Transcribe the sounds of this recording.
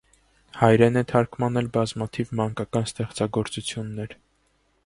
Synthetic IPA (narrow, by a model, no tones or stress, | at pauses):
hɑjɾɛnɛt̪ʰɑɾkmɑnɛlbɑzmɑt̪ʰivmɑŋkɑkɑnst̪ɛχt͡sɑɡɔɾt͡sut͡sʰjunːɛɾ